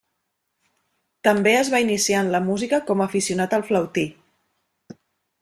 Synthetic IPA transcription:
t̪əmbeəzβainisianləmuzikəkɔməːfisiunat̪əlˠfləwt̪i

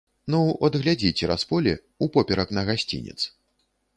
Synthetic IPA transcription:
nuɐd̪ɣlʲad͡zʲit͡sʲɛɾaspɔlʲɛ | upɔpʲɛɾɐknɐɣasʲt͡sʲḭnʲɛ̰t̪s

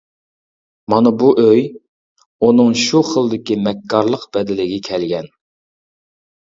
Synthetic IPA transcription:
mɑnɑbuʔøj | unɨŋʃuχəlˠd̪ɪkʲimɛkʰːɑɾlˠəqb̥ɛd̪ɪlɪɡʲɪkʲʰɛlɡʲɛn

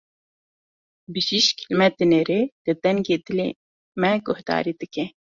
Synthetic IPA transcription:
bɨʃiʃkʰilmɛt̪ːɨneːɾeːl̥ɨd̪ɛŋɡeːd̪ɨlḛː | mɛɡʊhd̪ɑ̰ːɾiːd̪ɨkɛ

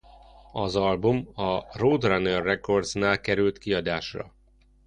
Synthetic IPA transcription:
ɒzɒlbumɒroːd̪ranørːɛko̞rd̪znaːlkɛɾylt̪kiɒd̪aːʃrɒ̰

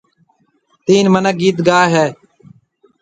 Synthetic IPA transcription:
t̪iːnmənək̚ɡiːt̪ɡaːɦɛː

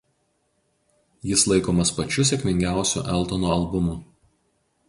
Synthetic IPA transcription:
jɪslˠɐɪkoːmɐspɐt͡ʃʲʊsʲeɛkʲmʲɪŋʲɡʲæˑʊsʲṵːˑʔɛlˠt̪onoɐlˠbʊmuː

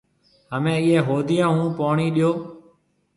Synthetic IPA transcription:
ɦəmẽːiːẽːɦoːd̪ɪjãːɦũːpoːɳiːɗɪjoː

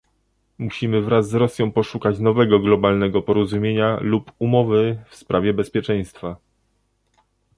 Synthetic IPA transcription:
muɕimɘvɾazːɾɔsʲjɔ̃w̃pɔʂukat͡ɕnɔvɛɡɔɡlɔbalnɛɡɔpɔɾɔzumʲjeɲalupumɔvɘfspɾʔavʲjɛbɛspʲjɛt͡ʂɛj̃st̪fa

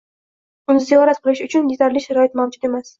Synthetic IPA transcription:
ʊnɪzeɒɾas̚qʰɨlˠɪʃʊt͡ʃʰʊnd̪izaɾlɪʃaɾɒɪt̪mawd͡ʒʊd̪e̞mas

